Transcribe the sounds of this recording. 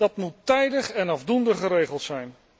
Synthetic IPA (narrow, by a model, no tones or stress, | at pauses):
d̥ɑtmutːɛjdəχɛnɑvdundəχəɾejχəlˠtsɛjn